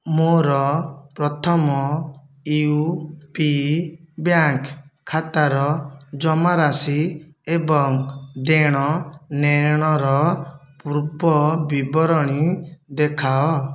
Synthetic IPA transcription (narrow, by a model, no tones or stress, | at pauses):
moɾɔpɾɔt̪ʰɔmɔ | iupibjaŋkʰːat̪aɾɔd͡ʒɔmaɾasi | ebɔŋd̪eɽ̃ɔneɽ̃ɔɾɔpuɾbɔbibɔɾɔɽ̃id̪ekʰaɔ